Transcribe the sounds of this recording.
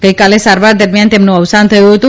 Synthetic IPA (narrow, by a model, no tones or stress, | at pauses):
ɡ̥əjkalesaɾʋaɾd̪əɾmjant̪emnũəʋsant̪ʰəjũɦət̪ũ